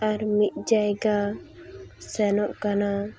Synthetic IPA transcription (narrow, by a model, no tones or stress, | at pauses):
aɾmit̪̚ˀd͡ʒajɡa | sɛnɔʔkana